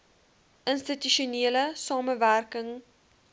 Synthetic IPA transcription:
ʔənstityʃuniələsɑːməværkəŋ

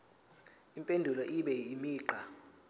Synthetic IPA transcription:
impʼendʱulɔʔiɓɛimiːǃa

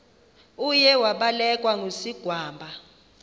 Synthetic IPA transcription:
ujɛwaɓalɛkʼwaŋʱosiɡ̥ʱwaːmbʱa

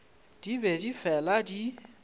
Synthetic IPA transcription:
d̥ibɛdifɛladi

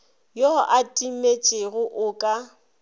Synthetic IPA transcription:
joʔatʼimet͡ʃʼɪɣʊʔʊkʼa

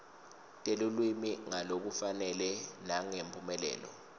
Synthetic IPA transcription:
tʼelulwimiŋalok̬ufanɛlɛnaŋempʼumɛlɛ̰ːlɔ̰

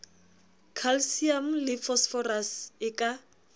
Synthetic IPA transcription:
kʰalsiam̩lɪfɔsfɔrasɪkʼa

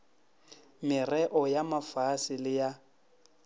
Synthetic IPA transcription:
mɪrɛʔɔjamafasɪlɪja

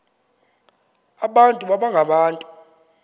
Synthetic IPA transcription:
aɓantʼuɓaɓaŋɡʱaɓaːntʼu

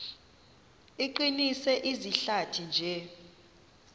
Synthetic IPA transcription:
iǃinisɛʔiziɬatʰind͡ʒʱɛ

